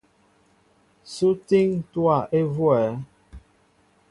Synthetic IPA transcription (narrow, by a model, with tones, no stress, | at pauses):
su˦ti˦ŋtwa˦˨ʔe˦vwɛ˨˦